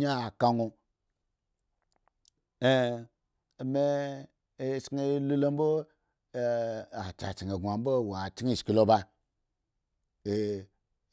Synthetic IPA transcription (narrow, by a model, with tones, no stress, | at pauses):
a˦˨ka˦ŋu˧ | e˦˨ | me˦ | e˦sŋe˦lu˦lo˦m˦bo˦˨ | a˨t͡ʃa̰˨t͡ʃi˨ŋe˨ɡʷa˨m˦bo˦˨wa˨t͡ʃi˦˨ski˨lo˦ba˧ | e˨